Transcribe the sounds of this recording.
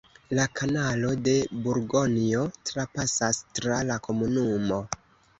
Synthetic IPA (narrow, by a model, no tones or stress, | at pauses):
lakʰanalo̞de̞buɾɡo̞nio̞tɾapasastɾalako̞munumo̞